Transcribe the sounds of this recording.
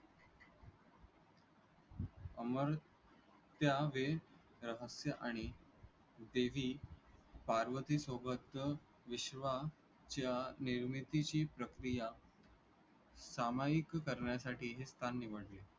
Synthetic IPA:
əməɾ | t̪jaʋe | ɾəɦəsjəʔaɽ̃i | d̪eʋiː | paɾʋət̪isobəd̪ə | ʋiɕʋa | t͡ɕjaniɾmit̪it͡ɕiːpɾəkɾija | samajikkəɾɳjasaʈiːɦest̪ʰanːiʋəɽle

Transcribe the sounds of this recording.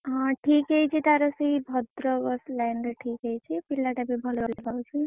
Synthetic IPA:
ʈʰikejt͡sʰit̪aɾʌsijbʱʌd̪ɾʌɡʌslajnɾʌʈʰikejt͡sʰipilːaʈabibʱʌloleɡʱawt͡sʰu

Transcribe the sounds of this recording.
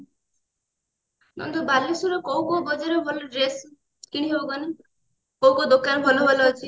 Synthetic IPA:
nɔ̰nd̪ɔbalesuɾɔkɔwkɔbɔd͡ʒaɾɔbʱɔloɾes | kiɽ̃iɦeɔɡɔne | kowkɔd̪okanbʱɔlɔɦolɔːt͡ʃʰi

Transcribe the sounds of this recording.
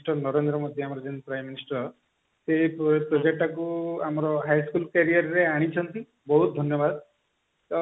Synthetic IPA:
ʈɔnɔɾend̪ɾɔmod̪ʱiamɔɾɔd͡ʒenpɾajmːinisʈɾɔ | seippɾɔd͡ʒek̚ʈakuamɔɾɔɦajskulkaɾijaɾːeaɽ̃it͡ʃʰɔnt̪i | bɔɦut̪̚d̪ʱɔnjɔbad̪ | t̪ɔ

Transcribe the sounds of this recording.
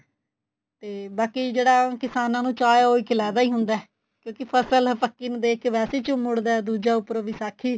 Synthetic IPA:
t̪eːbaːkiːd͡ʒeːɽaːkɪsaːnãːnũːt͡ʃaːjɦoːiːkʰɪlaːd̪aːiːɦʊnd̪aːɛ | kjõːkɪpʰəsəlpəkːiːnːd̪eːkʋɛːseːt͡ʃʊmːʊɽd̪aːd̪uːd͡ʒaːʊpːəɾoːʋiːsaːkʰiː

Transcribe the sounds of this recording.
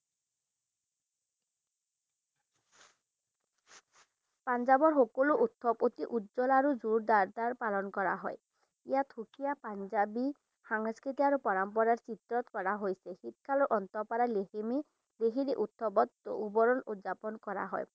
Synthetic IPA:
pand͡ʒabɔɾɦokɔluʔut̪ʰːɔpot̪iʔud̪d͡ʒɔlaɾud͡ʒuɾd̪aɾd̪aɾpalɔnkɔɾaɦɔj | ijat̪ʰukʰijapand͡ʒabi | haŋskɾit̪iaɾupɔɾampɔɾaɾt͡ʃit̪ɾɔt̪kɔɾaɦojsehit̪̚kʰaloʔɔnt̪ɔpaɾaleɦimi | leɦiɾiʔut̪ʰːɔbɔt̪ubɔɾɔnut̪d͡ʒapɔnkɔɾa̰ɦɔ̰j

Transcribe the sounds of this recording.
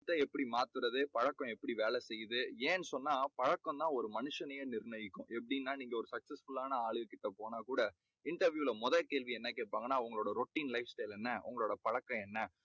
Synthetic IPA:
t̪ːɐɛpːɐɽimaːt̪ɯɾɐðɯpɐɻɐkːɐ̃ɛpːɐɽiʋeːlɛsɛjːɯðɯeːnːɯsɔnːaːpɐɻɐkːɐ̃nt̪ãːɔɾɯmɐnɯʂɐnɐjɐnɪɾnɐjɪkːʊ̃ʔɛpːɐɽɪnːaːniːŋɡɐɔɾɯsɐksɛsfʊlaːnɐaːɻɯɣɐkːɪʈːɐpoːnaːkuːɽɐ | ɪɳʈɐɾʋjuːɪlɐmɔðɐkeːɭʋiɛnːɐkeːʈ̚paːŋɡɐnːaːʊŋɡɐɭoːɽɐɾɔʈːiːnlɐɪfsʈɐɪlɛnːɐʔʊ̰ŋɡɐɭoːɽɐpɐɻɐkːɐ̃ɛnːɐ

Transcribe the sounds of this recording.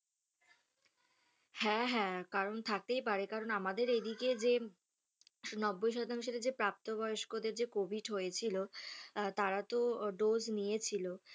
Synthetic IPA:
hɛ̃ɦɛ̃kaɾont̪ʰak̚t̪ejpaɾekaɾonamad̪eɾed̪iked͡ʑe | nɔbːojʃɔt̪aŋʃeled͡ʑepɾap̚t̪obɔjoʃkod̪eɾd͡ʑekobʱiʈɦojet͡ɕʰilot̪aɾat̪oɖoznijet͡ɕʰilo

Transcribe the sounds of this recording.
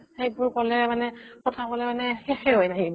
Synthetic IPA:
xejbʊɹkɔlɛmanɛkɔtʰakɔlɛmanɛxɛxɛɦojnaɦi

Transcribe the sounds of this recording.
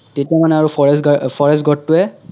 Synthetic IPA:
tetiamanɛaɹupʰɔɹɛsɡfʰɔɹɛs̬tɡɔtːʊɛ

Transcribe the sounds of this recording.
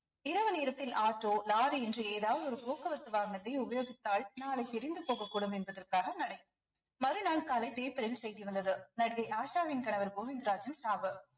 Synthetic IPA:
ɪɾɐʋɐneːɾɐt̪ːɪlaːʈːoːlaːɾɯɛndrɯeːðaːʋɐðɯɔɾɯpoːkɐʋɐɾt̪ːɯʋaːɣɐnɐt̪ːɐɪʊbɐjoːɣɪt̪ːaːɭnaːlɐɪt̪ɛɾɪnd̪ɯpoːɣɐkːuːɽɐmɛnbɐðɐrkaːɣɐnɐɽɐɪ | mɐɾɯnaːɭkaːlɐɪpeːpɐɾɪlsɛjðiʋɐnd̪ɐðɯnɐɽɣɐɪʔaːʃaːʋɪnkɐɳɐʋɐɾboːʋɪnd̪ɾaːd͡ʒɐnsaːʋɯ

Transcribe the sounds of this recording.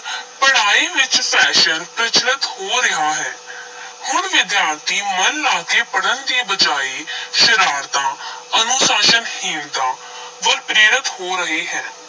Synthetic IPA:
pəɽaːiːʋɪt͡ʃpʰɛːʃənpɾət͡ʃnət̪hoːɾɪɦaːɦɛːhʊɳʋɪd̪jaːɾt̪iːmənlaːkeːpəɽənd̪iːbəd͡ʒaːiːʃəɾaːɾt̪ãːənʊsaːʃənhɪnt̪ãː | ʋəɾpɾeːɾɪt̪hoːɾəɦeːɦɛː

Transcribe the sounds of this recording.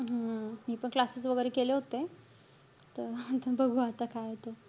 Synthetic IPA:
ɦamiːpəɳklasisʋəɡəɾekeleɦot̪e | t̪əɾt̪əbəɡʱũat̪akʰaɦet̪o

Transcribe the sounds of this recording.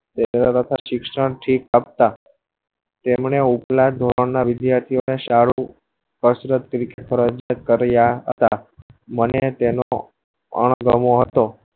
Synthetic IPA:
t̪emɾaɾət̪ʰaʃɪkʃəɳʈʰikap̚t̪a | t̪emɳeuplad̪ʱoɾəɳnaʋɪd̪jaɾt̪ʰioneʃaɽũ | kəsɾət̪kɾikeʈpʰəɾəd͡ʒat̪̚kəɾjaɦə̰t̪a̰mənet̪eno̰ | ə̰ɳ̃ɡəmoɦət̪o

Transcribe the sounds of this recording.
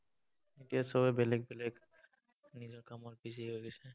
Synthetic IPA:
etijasɔbɛbɛlɛɡ̚bɛlɛɡ | nizɔɹkamɔtbisiɦojɡɛsɛ

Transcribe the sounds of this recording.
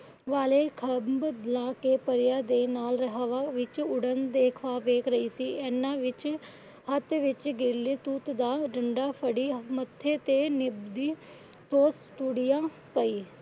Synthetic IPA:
ʋaːleːkʰəbbd̪laːkeːpəɾjaːd̪eːnaːlɾəɦʋaːʋɪt͡ʃʊɽənd̪eːkʰʋaːʋeːkʰɾəiːsiːɛːnːãːʋɪt͡ʃ | hət̪ʋɪt͡ʃɡɪɾleːt̪uːt̪d̪aːɖəɳɖaːpʰəɽiːmət̪ʰːeːt̪eːnɪbd̪iː | soːst̪uːɽɪjãː | pəiː

